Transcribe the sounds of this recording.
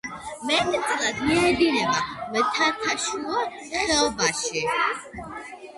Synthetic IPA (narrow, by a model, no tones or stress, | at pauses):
mɛt̪t̪sʼlad̪miad̪inɛbamɛt̪ʰat̪ʰaʃuɔ | χɛɔbaʃi